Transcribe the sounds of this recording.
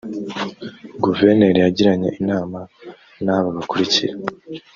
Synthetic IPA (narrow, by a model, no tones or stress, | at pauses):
ɡuveɾneɾjaɟiɾaɲe̞̰ʔinaːma | naːβaβakuɾiciɾa